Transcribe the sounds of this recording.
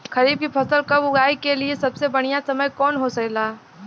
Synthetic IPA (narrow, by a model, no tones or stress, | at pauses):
xɐɾiːb̚kipʰɐsəlkɐbʊɡaːikeliesɐbsebɐɽ̃ijasɐməjkɔːnɦosɐklaː